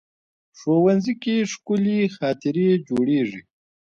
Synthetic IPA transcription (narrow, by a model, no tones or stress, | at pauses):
ʂoːwanzikeʂkʊlixɑːt̪ɪɾied͡ʒoːɽeːʐi